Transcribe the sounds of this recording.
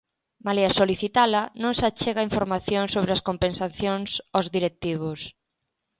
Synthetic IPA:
maleasoliθit̪alɐnõŋsat͡ʃeɣaiɱfoɾmaθjoŋsoβɾeaskompensaθjoŋsozðiɾek̚t̪iβ̞ʊs

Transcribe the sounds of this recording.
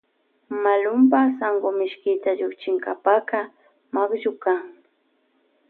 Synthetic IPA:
malʊmpasaŋɢomɪʃkɪt̪aʎʊkt͡ʃɪŋkapaka | makʒʊkaŋ

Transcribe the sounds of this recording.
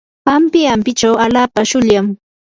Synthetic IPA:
pampɪampɪt͡ʃawalaːpaʃʊʎam

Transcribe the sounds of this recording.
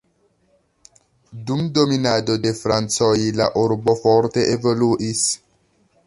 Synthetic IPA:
dumdominadodefɾant͡sojla̰ʔuɾbofoɾte̞ʔevoluʔis

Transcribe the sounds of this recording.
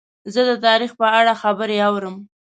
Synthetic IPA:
zəd̪ət̪ɑɾixpəaɽaxabəɾeawɾəm

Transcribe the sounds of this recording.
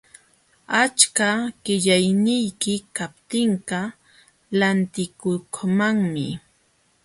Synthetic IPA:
at͡ʃkaɢ̥ɪʎajnɪjkɪkap̚t̪ɪɴɢɑ | lant̪ɪkʊkmaŋmɪ

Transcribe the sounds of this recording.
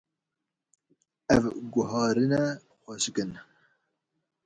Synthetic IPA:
ɛvɡʊɦɑːɾɨnɛ | xʷɛʃkɨn

